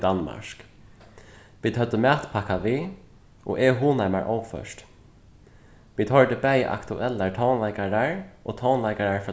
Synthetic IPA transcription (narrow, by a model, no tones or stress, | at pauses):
d̪anma̰ʃk | ʋiːd̪hœd̪əmæːt̪pʰakaʋiː | ʔo̰ːʔɛɦuːnama̰ɹʔoːwfœ̰ʃt̪ | ʋiːd̪hɔɹd̪əbɛj̰ʔa̰kt̪ʰʊʔɛlːaɹt̪ʰɔwnlaɪkaɾaɹoːt̪ʰɔwnlaɪkaɾaɹf